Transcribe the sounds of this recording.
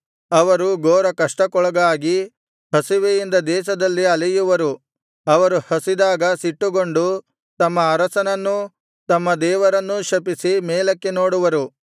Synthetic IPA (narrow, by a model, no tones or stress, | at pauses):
ɐʋɐɾuɡoːɾɐkɐʂʈɐkɔɭɐɡaːɡi | hɐsiʋejind̪ɐd̪ɛːʃɐd̪ɐlːiɐlijuʋɐɾu | ɐʋɐɾuhɐsid̪aːɡɐsiʈːuɡoɳɖu | t̪ɐmːɐɐɾɐsɐnɐnːu | t̪ɐmːɐd̪ɛːʋɐɾɐnːuʃɐpisimɛːlɐkːe̞noːɽuʋɐɾu